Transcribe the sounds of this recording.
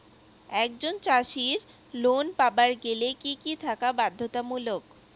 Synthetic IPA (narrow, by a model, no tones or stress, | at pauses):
ɛk̚d͡ʑont͡ɕaʃiɾ | lonpabaɾɡelekikit̪ʰakabad̪ʱːot̪amulok